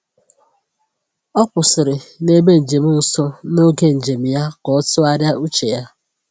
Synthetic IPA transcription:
ɔ˦kʷʊ˨sɪ˨ɾɪ˨ne˦be˦n̩˨d͡ʒe˨m̩˦n̩˨sɔ˦no˦ɡe˦n̩˨d͡ʒe˨m̩˨ja˦kɔ˨˦tʊ˦a˦ɾja˦u˦t͡ʃe˨ja˦

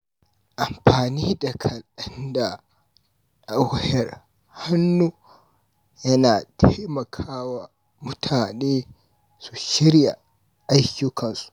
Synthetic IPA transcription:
ʔa˨mɸaː˨niː˦da˨kʰɐ˨lɗɐ˦nda˨ | ʔa˨whɛ˨ɾ | ha˦nːu˦ | jɐ˦naː˨tʰe˦mɐ˨kʰaː˦wa˨ | mʊ˦tʰaː˨neː˦ | su˨ʃɪ˦ɾja̰˨ | ʔa˦jku˦kʰɐ˨nsu̥˨

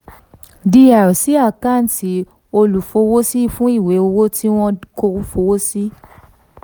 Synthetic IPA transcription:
di˧a˨ɾɔ˨si˨˦a˦˨ka˦˨n̩˨ti˨˦ | o˧lu˨fo˧wo˦si˦fũ˦i˦˨we˨˦o˧wo˦tʰi˦w̃ɔ̃˦ko˧ɾu˦fo˧wo˦si˦

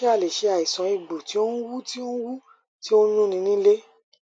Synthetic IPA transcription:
e˦a˦˨le˨ʃe˨˧˦a˨i˨sɔ̃˨˦i˨ɡ͡bu˨ti˨˦o˦wu˦ti˦o˦wu˦ | ti˦o˦ɲũ˦nĩ˧˦nĩ˦le˦

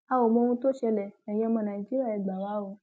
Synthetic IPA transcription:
a˨wo˨mɔ̃˧ũ˧˦to˦ʃɛ˧lɛ˨ɛ˨j̃ɛ̃˧˦˧mɔ̃˧nã˨i˨d͡ʒi˦ɾa˦˨ɛ˨ɡ͡ba˨wa˨˦o˧˦

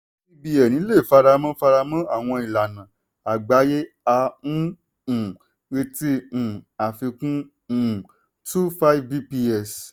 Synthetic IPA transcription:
i˦bi˧jɛ˨nĩ˨˦le˦˨fa˧ɾa˧mã˦fa˧ɾa˧mã˦a˦˨w̃ɔ̃˧i˨la˨nã˨ | a˨ɡ͡ba˨˦je˦ | a˧nũ˦˨ | e˧tĩ˧˨a˨fi˧kũ˦˨ | tu˦fa˦i˦vbi˦pi˧ɛ˦˨s

